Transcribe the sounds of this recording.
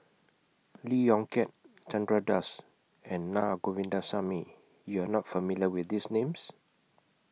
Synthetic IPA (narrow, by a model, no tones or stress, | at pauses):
lijɔ̃ŋkɛt̚ | t͡ʃãndɹadas | ɛ̃nːaɡovĩndasami | juanɔtfəmiljəwiθdisnẽms